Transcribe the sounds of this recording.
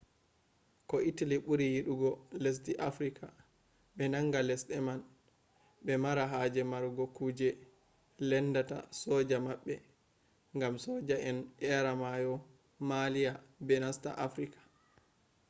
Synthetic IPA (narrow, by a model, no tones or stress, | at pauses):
kɔʔitaliɓuɾijiɗuɡɔlɛs̬diʔafɾika | ɓɛnaŋɡalɛsɗɛman | ɓɛmaɾaɦad͡ʒɛmaɾɡɔkuːd͡ʒɛ | lɛndata̰sɔd͡ʒamaɓːɛ | ŋɡamsɔd͡ʒaʔɛnʔɛɾamajɔ | malijabɛnasta̰ʔafɾikḁ